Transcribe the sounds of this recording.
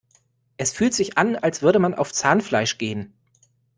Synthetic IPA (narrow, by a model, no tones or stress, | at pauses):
ʔɛsfyːltz̥ɪçʔanalsv̥ʏɐɾəmanʔa̰ʊft͡saːnflaɪʃɡ̥eːən